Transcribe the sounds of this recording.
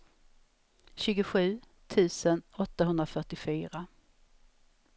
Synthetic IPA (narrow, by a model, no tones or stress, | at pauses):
ɕʉ̟ːɡʊɧʉ̟ː | t̪ʰʉ̟ːsənɔt̪ːaɦɵnd̪ɾafœʈːɪfyːɾa